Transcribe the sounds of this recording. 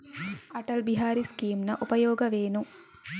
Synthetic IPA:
ɐʈɐlbiɦaːɾiskiːmnɐʔupɐjoːɡɐʋeːnu

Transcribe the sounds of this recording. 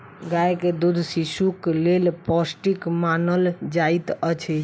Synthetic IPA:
ɡajked̪ud̪ʱsisuklelpɔsʈikmanəld͡ʒait̪ət͡ʃʰɛ

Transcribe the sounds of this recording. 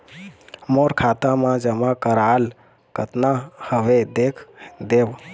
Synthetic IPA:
moɾkʰat̪ãmãd͡ʒəmakəɾal | kət̪nahəʋed̪ekʰd̪eb

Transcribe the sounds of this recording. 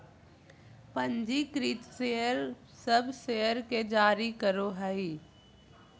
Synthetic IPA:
pə̃ɲd͡ʒikɾiːt̪seːəɾ | səbseːəɾked͡ʒaːɾikəɾoɦɛi

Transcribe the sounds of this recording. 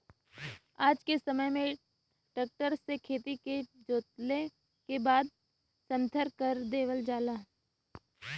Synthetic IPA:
aːd͡ʒkesɐməjmẽ | ʈəːk̚ʈəɾsekʰeːt̪iked͡ʒoːt̪le | kebaːd̪̚ | sə̃mt̪ʰəɾkəɾd̪eːʋəld͡ʒaːlaː

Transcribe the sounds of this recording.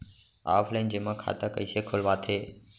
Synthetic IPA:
a̰ːfʰlaɪnd͡ʑeːmãːkʰa̰ːt̪akəiːsekʰʊlʋaːt̪ʰeː

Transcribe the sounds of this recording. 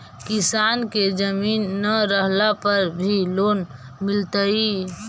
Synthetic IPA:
kisanked͡ʒəminːəɾəɦlapəɾbʱiloːn | milt̪əi

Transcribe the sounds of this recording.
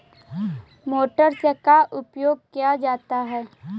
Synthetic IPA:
moːʈəɾsekaʔʊpjoːɡ̚kijad͡ʒaːt̪aɦɛː

